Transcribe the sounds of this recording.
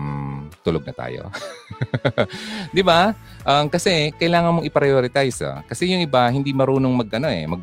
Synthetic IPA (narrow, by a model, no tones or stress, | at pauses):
t̪ʊloɡ̚nɐt̪a̰ːjo̰ | d̪ɪba | ʔɐmkɐsɛkɐjlaːŋɐnmoŋʔɪpɾɐjoːɾɪt̪ajsɐ̰kɐsɛjʊŋʔɪbahɪnd̪imɐɾuːnoŋmɐɡʔɐno̞ʔɛ̰mɐɡ̚